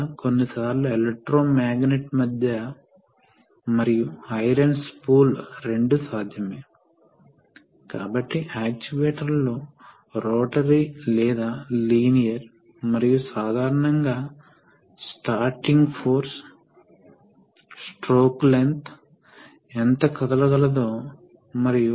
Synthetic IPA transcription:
ko̞nːisaːɾluelek̚ʈɾoːmaːɡneʈmɐd̪jɐ | mɐɾijuɐjɾɐnspuːlɾe̞ɳɖusaːd̪ʱjɐmeː | kaːbɐʈːiʔaːk̚t͡ʃiʋeːʈɐɾloː | ɾoːʈɐɾilɛːd̪aːliːnijɐɾ | mɐɾijusaːd̪ʱaːɾɐɳɐŋɡaː | sʈaːɾʈiŋɡpʰoːɾs | sʈɾoːklent̪ | ent̪ɐkɐd̪ɐlɐɡɐlɐd̪o̞ː | mɐɾiju

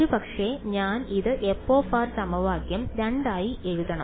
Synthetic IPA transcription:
ɾubɐkʂeɲaːniðɨʔepːoːfaːrsɐmɐʋaːɡjɐmɾɐɳɖaːjie̞ɻuðɐɳɐ

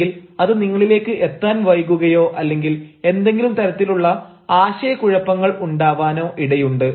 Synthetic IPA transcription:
ilɐðɨniŋːɐɭile̞ːkːɨʔe̞t̪ːaːnʋɐjkːuɣɐjo̞ːʔɐlːe̞ŋɡile̞nd̪e̞ŋɡilumt̪ɐɾɐt̪ːiluɭːɐ | aːɕɐjɐkuɻɐpːɐŋːɐɭuɳɖaːʋaːno̞ːʔiɽɐjuɳɖɨ

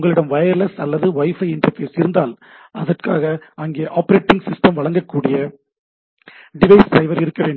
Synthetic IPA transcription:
ʊŋɡɐɭɪɽɐmʋɐjɐɾlɐsɐlːɐðɯʋɐɪfɐɪɪɳʈɐɾfeːsɪɾɯnd̪aːl | ɐðɐrkaːɣɐɐŋɡeːʔaːpɐɾeːʈːɪŋɡsɪsʈɐmʋɐɭɐŋɡɐkːuːɽɪjɐ | ɖɪʋɐɪsɖɾɐɪʋɐɾɪɾɯkːɐʋeːɳɖ

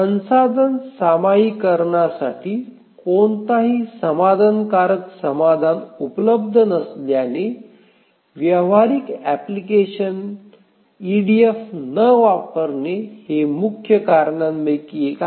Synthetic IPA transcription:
sənsad̪ʱənsamaikəɾɳasaʈʰiː | koɳt̪aɦiːsəmad̪ʱənkaɾəksəmad̪ʱanupələb̚d̪ʱənəsljane | ʋjəʋaɾikæplikeɕən | iɖiefːəʋapəɾnehemukʰjəkaɾɳanmekieka

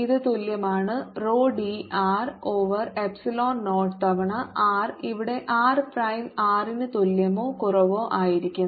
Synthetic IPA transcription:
iðɨt̪oljɐmaːɳɨroːɖiʔaːroːʋɐrepsiloːnnoːʈt̪ɐʋɐɳɐʔaːriʋiɽe̞ʔaːrprɐjmaːrinɨt̪oljɐmoːkurɐʋoːʔaːjiɾikʲːunː

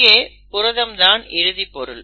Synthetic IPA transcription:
jeː | pʊɾɐðɐmd̪aːnɪɻɯðipːɔɾɯl

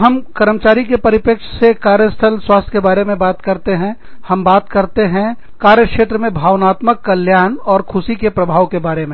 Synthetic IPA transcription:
ɦɐmkəɾəmt͡ʃaːɾikepɐɾɪpjəkʃsekaːɾjəst̪ʰəlswaːst̪ʰkebaːɾemẽbaːt̪kɐɾt̪eɦɛ̃ | hɐmbaːt̪kɐɾt̪eɦɛ̃ | kaːɾjəkʃeːt̪ɾəmẽbʱaːʋnaːt̪məkːɐljaːnɔːɾkʰʊsikepɾəbʱaːʋkebaːɾemẽ

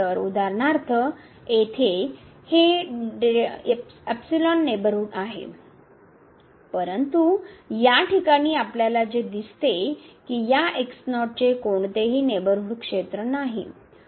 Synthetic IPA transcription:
əɾud̪ʱaɾɳaɾt̪ʰə | et̪ʰeheɖ | ɛpsilɔnːebəɾuɽaɦḛ | pəɾənt̪ujaʈikaɽ̃iːapljalad͡zed̪ist̪ekiːjaʔeksnɔʈ̚t͡ɕekoɳt̪eɦiːnebəɾuɽkʂet̪ɾənaɦḭ

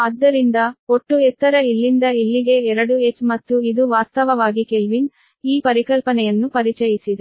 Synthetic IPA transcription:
ɐd̪ːɐɾind̪ɐoʈːuɛt̪ːɐɾɐilːind̪ɐilːiɡe̞ɛɾɐɽuet͡ʃmɐt̪ːuid̪uʋaːst̪ɐʋɐʋaːɡikelʋin | iːpɐɾikɐlpɐnɛjɐnːupɐɾit͡ʃɐjisid̪e

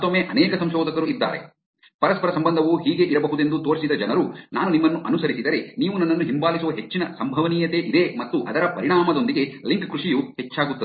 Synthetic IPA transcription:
t̪omːeʔɐnɛːkɐsɐmʃɔːd̪ʱɐkɐɾuid̪ːa̰ːɾḛ | pɐɾɐspɐɾɐsɐmbɐnd̪ʱɐʋuɦiːɡe̞ʔiɾɐbɐɦud̪e̞nd̪ut̪oːɾsid̪ɐd͡ʒɐnɐɾunaːnunimːɐnːuʔɐnusɐɾisid̪ɐɾeniːʋunɐnːɐnːuɦimbaːlisuʋɐɦe̞t͡ʃːinɐsɐmbʱɐʋɐniːjɐt̪e̞ʔid̪e̞mɐt̪ːuʔɐd̪ɐɾɐpɐɾiɽɳaːmɐd̪o̞nd̪iɡe̞liŋkkɾuʂijuhe̞t͡ʃːaːɡut̪ːɐd̪

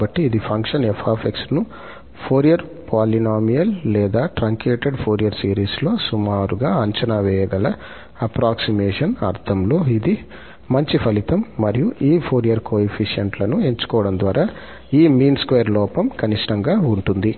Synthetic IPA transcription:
bɐʈːiːd̪ipʰɐŋkʂɐnefʰaːpʰeksnu | pʰoːɾijɐɾpaːlinaːmijɐlːɛːd̪aːʈɾaːŋkeːʈeɖpʰoːɾijɐɾsiːɾiːslo̞ːsumaːɾuɡaːɐɲt͡ʃɐnaːʋɛːjɐɡɐlɐ | ɐpɾaːksimɛːʂɐnɐ̰ɾt̪ʰɐmlo̞ːid̪i | mɐɲt͡ʃipʰɐlit̪ɐmːɐɾijuʔiːpʰoːɾijɐɾkoːepʰiʂjɐɳʈlɐnue̞ɲt͡ʃu̥kɔːʋɐɽɐnd̪ʋaːɾaː | iːmiːnskʋeːɾlɔːpɐmkɐniʂʈɐŋɡaːuɳʈund̪i

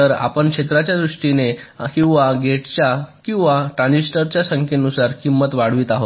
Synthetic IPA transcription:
əɾa̰pəɳkʂet̪ɾat͡ɕjad̪ɾuʂʈinekĩw̃ʋaɡeʈt͡ɕjakĩw̃ʋaʈɾãnd͡ʑisʈəɾt͡ɕjasəŋkʰenusaɾkimːət̪ʋaɽʋiːt̪aɦo

